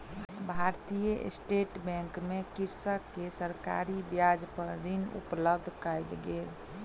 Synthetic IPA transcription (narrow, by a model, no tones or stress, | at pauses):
bʱaɾt̪ijə̰sʈeʈbɛ̃ŋkmekiɾsəkːesəɾka̰ɾibjad͡ʒpəɾɾinṵpləbd̪ʱkajlɡeːl